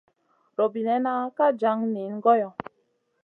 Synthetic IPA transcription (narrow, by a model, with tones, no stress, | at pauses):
ɾo˨bi˨nɛ˦na˦ka˦d͡ʒa˦ŋni˨˦nɡɔ˦jɔ˨